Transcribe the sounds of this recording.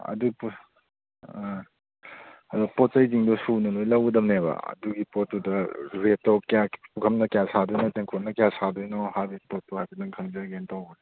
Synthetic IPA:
ɐ̰dup | ɐdupɔtːɐjziŋdɔsunɐlojlɐwɡɐdɐmneβɐ̰ɐ̰duɡipɔtudɐɾetːɔwkapukʰɐmnɐkjasadujnɔteŋkʰonɐkejasadujnɔhabipɔtːuhajbʰɐnɐŋkʰɐŋzɐɡentawɡɐd

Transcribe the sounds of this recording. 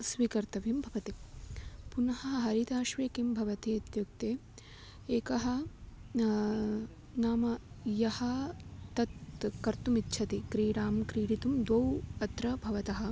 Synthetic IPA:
sʋiːkɐɾt̪ɐʋimbʱɐʋɐt̪i | punɐɦɐɦɐɦɐɾit̪aːʃʋeːkimbʱɐʋɐt̪iɐt̪juk̚t̪eː | eːkɐɦɐ̆ | naːmɐ | jɐhɐt̪ɐt̪kɐɾt̪umit̪ːt͡ʃʰɐt̪ikɾiːɽaːmkɾiːɽit̪umd̪ʋɐwɐt̪ɾɐbʱɐʋɐt̪ɐɦɐ̆

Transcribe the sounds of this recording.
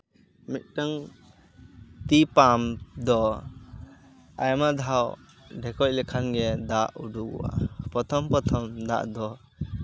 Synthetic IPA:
mit̪̚ʈaŋ | t̪ipamd̪ɔ | ajamad̪ʱaw | ɖʱɛkɔc̚ˀlɛkʰanɡɛd̪aʔuɖuɡṵwa̰pɾɔt̪ʰɔmpɔt̪ʰɔmd̪a̰ʔd̪ɔ

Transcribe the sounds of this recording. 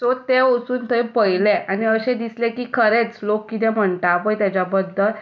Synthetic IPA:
sot̪eosuːnt̪ʰəjpəjlɛaniəɕɛ̃d̪islɛkiːkʰəɾet͡slokːit̪ɛm̤əɳt̪aːpəjt̪jat͡ɕabəd̪ʱːəl

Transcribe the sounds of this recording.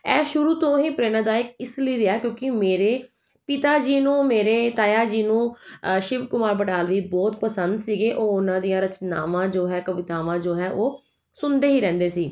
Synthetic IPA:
ɛːʃʊɾuːt̪õːɦiːpɾeːnad̪aːɪkɪsliːɾɪaːkjõːkɪmeːɾeː | pɪt̪aːd͡ʒiːnũːmeːɾeːt̪aːjaːd͡ʒiːnũːʃɪʋkʊmaːɾbəʈaːlʋiːbɔːt̪pəsənd̪siːɡeːʔoːʊnãːd̪ijãːɾət͡ʃna̰ːʋãːd͡ʒoːɦɛːkəʋɪt̪aːʋãːd͡ʒoːɦɛːʔoː | sʊnd̪eːɦiːɾɛ̃ːnd̪eːsiː

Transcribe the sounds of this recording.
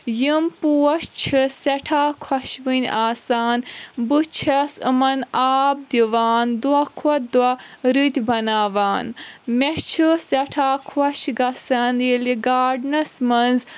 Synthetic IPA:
jimpuːɐst͡ʃʰɨsɐʈʰaːkʰwɐʃʋinʲaːsaːnbɨt͡ʃʰɐsɨ̰mɐnaːb̚d̪iʋaːnd̪wɐkʰɐt̪̚d̪wɐɾit̪ʲibɐnaːʋaːnmʲet͡ʃʰɨsɐʈʰaːkʰɐʃɡɐsɐnjiliɡaːɖnɐsmɐnz

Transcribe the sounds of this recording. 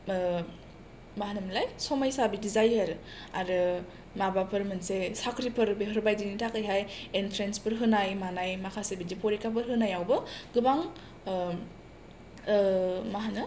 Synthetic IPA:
maɦanɯmlajsɔmajsabidizajaɾ | aɾɯ | mabapʰɯɾmɯnsesakɾipʰɯɾbeɦɔɾbajdinitʰakɯjɦajentʰɾenspʰɯɾɦɯnajmanajmakʰasebidipoɾikʰap̬ɯɾɦɯnajawbɯɡɯbaŋ | maɦanɯ

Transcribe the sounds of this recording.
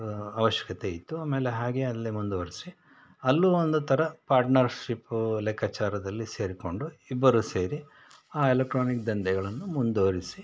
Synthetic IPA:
ɐʋɐʃjɐ̥kɐt̪e̞it̪ːuaːme̞ːleɦaːɡeɐlːimund̪oːɾisi | ɐlːuond̪ut̪ʰɐɾɐpaːɾʈnɐɾʃiplɛkʰːat͡ʃaːɾɐd̪ɐlːise̞ːɾiko̞ɳɖuibːɐɾuse̞ːɾi | aːelek̚ʈɾoːnikd̪ɐnd̪ɛɡɐɭɐnːumund̪oːɾisi

